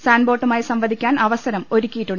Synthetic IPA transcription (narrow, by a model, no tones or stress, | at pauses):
saːnbo̞ːʈːumaːjisɐmʋɐd̪ʱikʲːaːnɐʋɐsɐɾɐmo̞ɾukʲːijiʈːuɳ